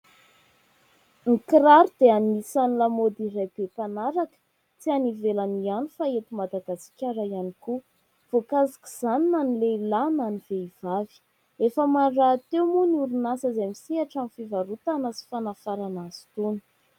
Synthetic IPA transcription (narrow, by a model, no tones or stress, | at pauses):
ŋikiɾaɾud̪̥eanmisanilamod̪irajb̥epanaɾakə̥ | t͡sianivelanianufaet̪imad̪aɡasi̥kʲaɾajaniku | v̥okazḁki̥z̥aninanileilananiveiv̥avi̥ | efəmarat̪ewmunuɾunasəzajmisiaʈ͡ʂamifivaɾut̪anəsi̥fanafaɾanasi̥t̪uni̥